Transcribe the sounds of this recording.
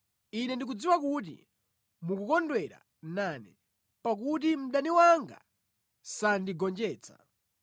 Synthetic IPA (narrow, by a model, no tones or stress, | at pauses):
inɛndik̬ud͡ziwak̬ut̬ḭ | mukukɔndwɛɾa̰ | naːnɛ | pak̬ut̬im̩ɗaniwaŋɡa̰ | sandiɡɔnd͡ʒɛːt͡sʰḁ̰